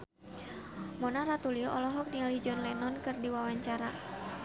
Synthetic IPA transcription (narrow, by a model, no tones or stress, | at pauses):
mɔnaɾat̪uliɔʔɔlɔɦɔk̚nialid͡ʒɔnlɛnɔnkɨrdiwawaɲt͡ʃaɾa